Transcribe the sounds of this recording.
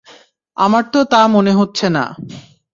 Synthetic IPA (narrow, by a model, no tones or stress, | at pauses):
a̰maɾt̪ot̪amoneɦotːɕʰena̰